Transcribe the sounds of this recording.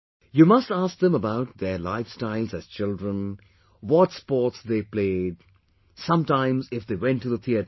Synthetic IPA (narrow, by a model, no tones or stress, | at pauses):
jumʌstask̚ðə̃məbaʊʈ̚d̪əlaɪfstaɪlˠzæz̥t͡ʃɪldɹə̃n | wɔtspɔtsd̪eːpleːd | sʌ̃mtãɪ̃mzɪfd̪ewɛ̃nʈːuðət̪ʰiəɾ